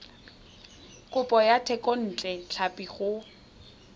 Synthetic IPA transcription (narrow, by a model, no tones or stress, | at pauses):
kʼʊpʼɔjatʰɛkʼɔn̩ːt͡ɬʼɛt͡ɬʰapʼiχʊ